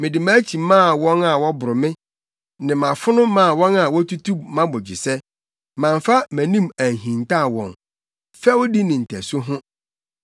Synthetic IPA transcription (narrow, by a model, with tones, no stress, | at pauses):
mɪ̃˨dɪ˨mã˦t͡ɕʰi˨mãː˦˨wɔ̃˦na˨wɔ˦bʊ˨ɾʊ˨mɪ̃˦ | nɪ̃˨mã˨fʊ˦nʊ̃˦mã˦˨wɔ̃˦na˨wɔ˦tʰu˦tʰu˦mã˦bɔ˨d͡ʑi˨sɛ˦ | mã˨ɱfa˦mæ̃˨nĩ˦mæ˨ɦĩ˨n˨ta˦˨wɔ̰̃˨n | fɛ˦wʊ˦di˦nɪ̃˨n̩˨tʰæ˨sʊ˦ɦʊ̃˦